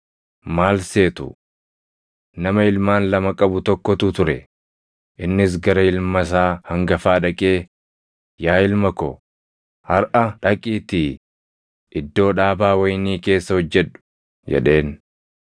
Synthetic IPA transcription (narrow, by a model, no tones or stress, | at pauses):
maːlse̞ːt̪ʊ̰ | nɐmɐɪlmaːnlɐmɐkʼɐbʊt̪ɔkːɔt̪ʊt̪ʊɾɛ | ʔɪnːɪs̬ɡɐɾɐɪlmɐs̬aːhɐŋɡɐfaːᶑɐkʼe̞ː | jaːɪlmɐkɔ̰ | hɐɾʔɐᶑɐkʼiːt̪i | ʔɪd̪ːo̞ːᶑaːbaːwɐjniːke̞ːsːɐhɔd͡ʒːɛᶑʊ̥ | d͡ʒɛ̰ᶑe̞ːn